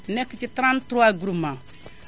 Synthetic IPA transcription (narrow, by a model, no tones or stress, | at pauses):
nɛkit͡ʃitɾãntɾuaɡuɾumã